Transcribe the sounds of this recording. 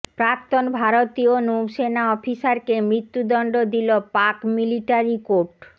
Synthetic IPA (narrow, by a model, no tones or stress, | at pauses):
pɾak̚t̪onbʱaɾot̪ionowʃenaɔfiʃaɾkemɾit̪ːud̪ɔɳɖod̪ilopakmiliʈaɾikoɾʈ